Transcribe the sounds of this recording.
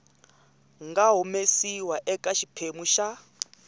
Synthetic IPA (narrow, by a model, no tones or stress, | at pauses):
ŋɡaɦumesiwaʔɛkʼaʃipʰemuʃa